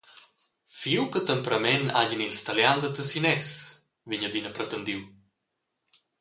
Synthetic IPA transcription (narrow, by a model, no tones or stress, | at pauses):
fiwkət̪əmpɾəmɛnaɟinilst̪aljanzət̪əsinɛs | viɲəd̪inəpɾət̪ənd̪iw